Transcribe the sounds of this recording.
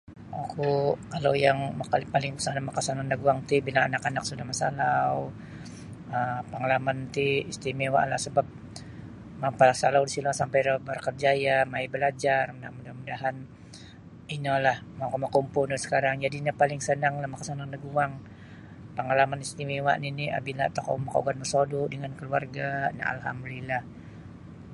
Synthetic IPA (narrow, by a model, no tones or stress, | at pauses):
akukalawjaŋmakalpalɪŋpə̥sanamakasanandəɡuaŋt̪ibilaŋanakanak̚sudahmasalaw | əmpəŋalamant̪iist̪imewa̰ʔlahsəbap̚ | mampasalawdisilasampajɾəbərkərd͡ʒajamaibəlad͡ʒarmudamudahmudaɦan | inəlahmawkamakumpʊnusə̥kaɾaŋd͡ʒadiɲapalɪŋsənaŋlahmakasanaŋdəɡuaŋ | pəŋalamanist̪imiwa̰ʔninia̰bilat̪oko̰maka̰ɡanməsodʊʔdəŋankəluarɡana̰ʔa̰lɦa̰mdulilah